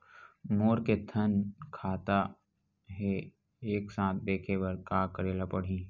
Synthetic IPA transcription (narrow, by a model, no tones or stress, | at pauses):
moːɾket̪ʰənkʰaːt̪a | ɦɛ | eːksãːt̪̚ʰd̪eːkʰebəɾkaːkəɾeːlapəɽ̤ĩː